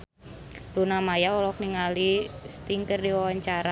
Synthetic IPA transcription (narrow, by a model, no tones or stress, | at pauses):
lunamajaɔlɔkniŋalist̪iŋkərdiwawaɲt͡ʃaɾa